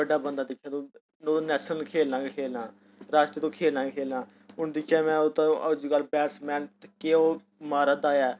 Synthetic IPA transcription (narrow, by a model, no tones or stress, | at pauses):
əɖaːbənd̪aːd̪ɪkʰːãːt̪õː | noːnɛːsənkʰeːlãːkʰeːlãː | ɾaːst̪ət̪õːkʰeːlãːkʰeːlãː | ʊnd̪ɪkʰɛːmɛ̃ːʊt̪õəd͡ʒiːɡəlːbɛːʈsmɛ̃ːnt̪keːoː | maːɾaːd̪aːjɛː